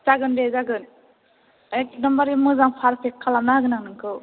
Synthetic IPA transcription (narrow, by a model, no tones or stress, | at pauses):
zaɡɯnɾezaɡɯn | akdɯmbaɾimɯzaŋpʰaɾpʰekʰːalamnahaɡɯnaŋnɯŋkʰɯw